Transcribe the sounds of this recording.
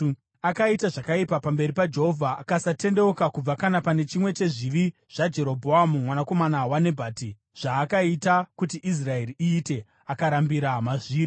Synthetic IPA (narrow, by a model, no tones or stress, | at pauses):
akaitaʐakaipapambe̞ɾipad͡ʒe̞ɦo̞vʱaakasate̞nde̞okakub͡vakanapane̞t͡ʃimwe̞t͡ʃe̞ʐiʋi | ʐ̥ad͡ʒe̞ɾo̞bʱo̞amumwanako̞manawane̞bʱaːti | ʐ̥aːkaitakutiʔis̬rae̞riiːte̞ | akaɾambiɾamaʐiːɾi